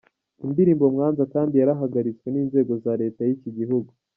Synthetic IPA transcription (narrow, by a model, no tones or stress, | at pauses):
indiɾiːmbo̞mŋaːnzakaːndijaɾaɦaɡaɾit͡sweniːnze̞ːɡo̞zaːɾe̞ːtajiciɟiɦuɡu